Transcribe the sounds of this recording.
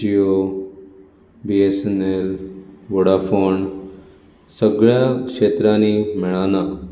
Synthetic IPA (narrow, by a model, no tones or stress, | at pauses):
d͡ʒio | biesenelʋoɽafoɳ | səɡɭjakʂet̪ɾanimɪɭ̃ana